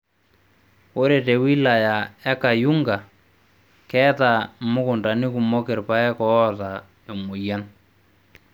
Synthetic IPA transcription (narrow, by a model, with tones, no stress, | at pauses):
o˦ɾe˨te˨wi˦la˨ja˨ɛ˦ka˨ju˦ŋɡa˨ | kɛ˦ta˨mʊ˦kʊ˨nda˨ni˦ku˨mɔ˦ke˨ɾpa˦ɛ˦kɔ˨˦ɔ˦ta˨ | jo˨mo˨ja˦n